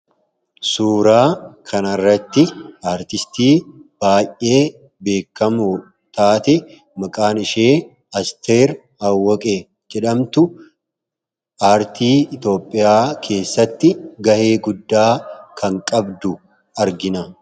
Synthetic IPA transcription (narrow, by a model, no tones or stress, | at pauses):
suːɾaːkʰɐnɐrːɐt̪ːɪaːɾt̪ɪst̪iːb̥aːjʔʔːe̞ː | be̞ːkːɐmu | t̪aːt̪ɛ | mɐkʼaːnɪʃeː | ɐst̪ʰeːɾ | hɐwːɔkʼe | d͡ʒɛᶑɐmt̪ʊ | aːɾt̪ʰiːɪt̪o̞ːpʼːɪjaːkʰe̞ːsːɐt̪ːɪɡɐhe̞ːɡʊd̪ːaːkʰɐŋkʼɐbd̪ʊ | ɐɾɡɪnɐ